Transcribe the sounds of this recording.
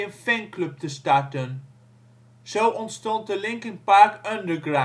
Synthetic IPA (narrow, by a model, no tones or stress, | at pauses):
ə̃nfɛŋklɵp̚təstɑɹtən | z̥owʔɔntstɔnt̚dəlɪŋkɪŋpɑɹkʌndəɹɡɹa